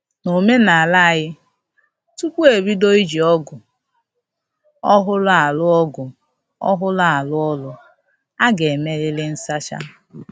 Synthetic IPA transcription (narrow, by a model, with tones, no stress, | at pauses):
no˨me˦na˨a˨la˦a˨ɣɪ˦ | tu˦kʷu˦e˨bi˦do˦i˦d͡ʒi˨ɔ˦ɡʊ˨ | ɔ˦ɦʊ˦la˦a˨lʊ˦ɔ˦ɡʊ˨ | ɔ̰˦ɦʊ˦la˦˨a˨lʊ˦ɔ˦lʊ˨ | a˦ɡe˨me˦lɪ˦lɪ˦n̩˦sa˦t͡ʃa̰˦